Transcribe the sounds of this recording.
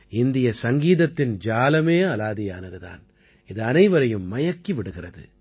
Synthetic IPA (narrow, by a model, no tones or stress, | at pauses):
ɪnd̪ɪjɐsɐŋɡiːðɐt̪ːɪnd͡ʒaːlɐmeːɐlaːðɪjaːnɐðɯða̰ːn | ɪðɯɐnɐɪʋɐɾɐjɯmːɐjɐkːiʋɪɽɯɣɪrɐðɯ̰